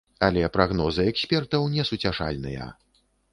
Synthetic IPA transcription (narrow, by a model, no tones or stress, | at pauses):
alʲɛpɾaɣnɔzɨɛksʲpʲɛrt̪ɐwnʲɛsut͡sʲaʂa̰lʲnɨjɐ̰